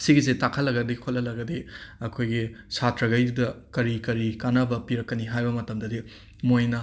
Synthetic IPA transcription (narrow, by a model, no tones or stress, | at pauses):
siɡizetakʰɐlːɐɡɐdikʰolɐlɐɡɐdiɐkʰojɡisatɾɐɡɐjdudɐkɐɾikɐɾikanɐbɐpiɾɐkːɐniɦajbɐmɐtɐmdɐdi | mojnɐ